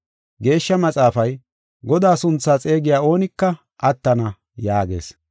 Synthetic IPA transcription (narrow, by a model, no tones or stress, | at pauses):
ɡe̞ːʃːɐmɐt͡sʼaːfɐj | ɡɔd̪aːsʊnt͡sːaːt͡sʼe̞ːɡɪjaːo̞ːnɪkːɐ | ʔɐt̪ːɐnɐ | jaːɡe̞̰ːs